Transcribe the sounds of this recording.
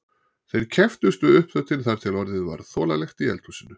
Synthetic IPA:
θejɾ̥cʰɛft̪ʏst̪ʏʏhpθœt̪ʰɪnθaɾ̥t̪ʰɪlɔɾðɪðva̰ɾθɔːlalɛxt̪iɛ̰lt̪ʰusɪnːʏ

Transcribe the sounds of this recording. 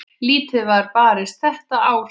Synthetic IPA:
liːt̪ɪðvaɾpaːɾɪst̪θɛht̪aʔaːw

